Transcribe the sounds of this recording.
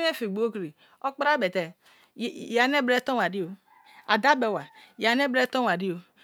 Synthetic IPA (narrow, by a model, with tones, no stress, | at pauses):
e˦fi˨ɡ͡bo˦o˦kɾi˨ | o˦k͡pɾa˦be˨tɛ˨ | ja˨ne˦bɾe˦to˦˨a˨ɾi˦o˨ | a˨da˦be˨wa˨ja˨ne˦bɾe˦to˦wa˨ɾi˦o˨